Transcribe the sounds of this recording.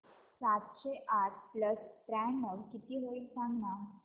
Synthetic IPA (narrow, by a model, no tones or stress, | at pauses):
sat̪ɕeʔaʈpləst̪ɾɛɳməɾkit̪iːɦoilsãŋɡna